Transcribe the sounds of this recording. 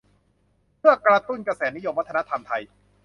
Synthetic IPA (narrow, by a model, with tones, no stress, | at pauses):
mɯ˥˩ɐkɾa˧t̪u˥˩nkɾa˧sɛː˩˦ni˦˥jo˧mwa˦t̪ʰːna˦˥t̪ʰa˧mt̪ʰa˧j